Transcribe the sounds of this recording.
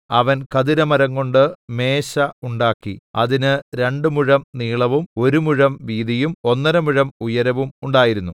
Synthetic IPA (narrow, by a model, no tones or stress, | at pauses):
ɐʋɐnkɐðiɾɐmɐɾɐŋːo̞ɳɖɨme̞ːɕɐuɳɖaːkːiɐ̰ðinɨɾe̞ɳɖɨmuɻɐmniːɭɐʋumo̞ɾumuɻɐmʋiːðijumo̞nːɐɾɐmuɻɐmujɐɾɐʋumuɳɖaːjiɾunːu